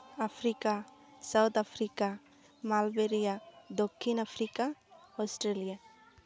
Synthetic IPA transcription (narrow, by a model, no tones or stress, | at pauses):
apʰɾikasawt̪apʰɾika | malbeɾijad̪okʰːinapʰɾikaɔsʈɾelija